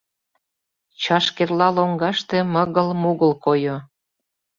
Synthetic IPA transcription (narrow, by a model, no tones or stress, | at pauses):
t͡ɕɑʃkerlɑloŋɡɑʃt̪ĕmə̆ɣəlmuɣəlkojo